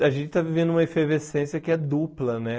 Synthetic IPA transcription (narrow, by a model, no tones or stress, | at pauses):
aʒẽnt͡ʃɪ̥t̪avivẽnd̪ʊũmɐefevesẽsjɐkɪɛd̪uplɐnɛ